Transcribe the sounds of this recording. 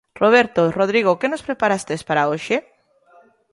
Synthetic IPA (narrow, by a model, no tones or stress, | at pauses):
roβ̞eɾt̪oroð̞ɾiɣokenospɾepaɾast̪espaɾaoʃe